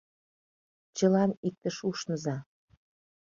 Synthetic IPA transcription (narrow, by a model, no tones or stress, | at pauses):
t͡ɕə̆lɑnik̚t̪əʃuʃnə̆zɑ